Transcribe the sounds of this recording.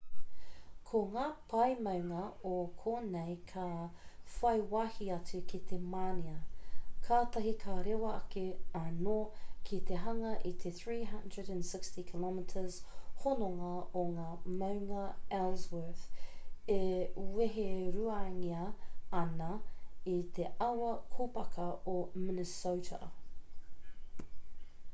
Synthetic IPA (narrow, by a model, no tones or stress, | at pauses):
kʰoŋaːpʰɐjmɐwŋɐokʰoːnejkʰafɐjwahiɐt͡sukʰit̪ʰemaːniɐkʰaːt̪ɐɦikʰaɾewɐɐkeɐnokʰit̪eɦɐŋɐʔit̪ʰeθɹiːɦɐndɹəɾæ̃nsɪkstikʰilɔmɪtʰəz̥honoŋɐoŋaːmɐwŋɐɛlzwəθeweɦeɾuaŋiɐɐnɐit̪ʰeʔɐwɐkʰopɐkʰɐomɪnəsowtʰə̰